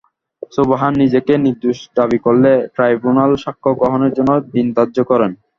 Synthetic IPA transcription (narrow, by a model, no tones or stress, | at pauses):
sobaɦanːid͡ʑekeniɾd̪uʃd̪abikolːeʈɾajbunalʃakʰːoɡɾɔɦoneɾd͡ʑonːod̪ind̪add͡ʑokɔɾen